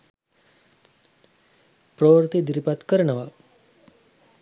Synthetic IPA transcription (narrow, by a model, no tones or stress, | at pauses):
pɾoʋəɾt̪id̪iɾipat̪kəɾɳəʋa